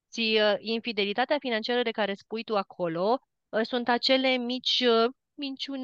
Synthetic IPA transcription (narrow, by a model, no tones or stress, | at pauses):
siinfid̪e̞lit̪at̪eafinant͡ʃiaɾəd̪e̞kaɾe̞spujt̪uakʰo̞lo̞ | sunt̪at͡ʃe̞le̞mit͡ʃʲ | mint͡ʃun